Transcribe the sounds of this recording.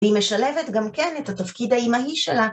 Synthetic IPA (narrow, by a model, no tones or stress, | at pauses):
ime̞ʃale̞ve̞tɡamkenethatafkidhaimaɦiʃela